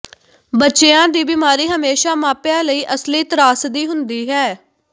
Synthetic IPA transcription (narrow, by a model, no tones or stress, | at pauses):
bətːʃeãːd̪iːbɪmaːɾiːɦəmeːʃaːmaːpjãːləiːʔəsliːt̪əɾaːsd̪iːɦʊnd̪iːɦɛː